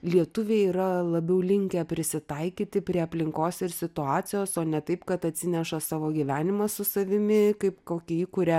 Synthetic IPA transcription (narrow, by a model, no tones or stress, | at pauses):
lʲiɛt̪ʊʋʲeːiːɾɐlˠɐbʲɛʊlʲɪŋʲkʲɛpʲɾʲɪsʲɪt̪ɐɪkʲiːt̪ʲɪpʲɾʲiɛɐpʲlʲɪŋkoːsɪɾsʲɪt̪ʊɑːt͡s̪ʲɪjoːsoːnʲɛt̪ɐɪpkɐt̪ɐt̪ʲsʲɪnʲɛʃɐsɑːʋoːɡʲiːʋʲæːnʲɪmɐsʊsɐʋʲɪmʲɪkɐɪpkoːkʲɛiːkʊɾʲɛ